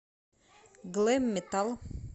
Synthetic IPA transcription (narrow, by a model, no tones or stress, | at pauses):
ɡlemːet̪alˠ